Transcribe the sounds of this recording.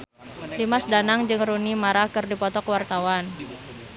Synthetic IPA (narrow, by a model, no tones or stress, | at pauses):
limasdanaŋd͡ʒɨŋrunimaɾakɨrdipɔt̪ɔkəwart̪awan